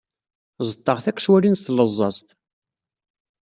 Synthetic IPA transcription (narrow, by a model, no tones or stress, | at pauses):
zˤət̪ˤːɑʁθækʷːʃwælinst̪ləzˤːɑst̪